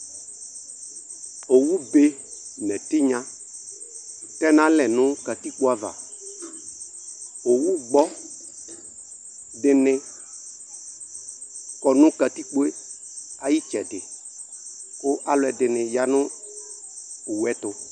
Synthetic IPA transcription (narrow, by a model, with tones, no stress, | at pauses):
o˨wu˦be˦ | nɛ˨tɪ˦ɲã˦ | tɛ˦nã˨˦lɛ˨nʊ̃˦ka˨ti˦k͡po˦a˨va̰˨ | o˨wu˦ɡ͡bɔ˦ | dɪ˨nɪ˧ | kɔ˨nʊ̃˦ka˨ti˦k͡po˦e˦ | a˨ji˦t͡ʃɛ˨dɪ˨ | kʊ˦ʔa˦lʊ˦ɛ˨dɪ˨nɪ̃˨ja˨˦nʊ̃˦ | ʊ˨wɛ˦tʊ˨